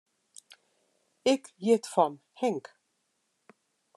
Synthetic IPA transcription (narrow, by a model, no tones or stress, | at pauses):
ɪkjɪt̪fɔn | hɛŋk